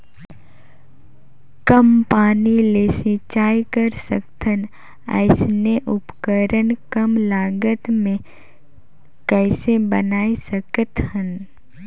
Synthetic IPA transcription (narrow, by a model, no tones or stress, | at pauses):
kəmpaːnilesɪt͡ʃaːikəɾsəkt̪ʰən | ɛ̰ɪsneʔʊpkəɾənkəmlaːɡət̪mẽ | kɛːsebənaːisəkət̪hə̃n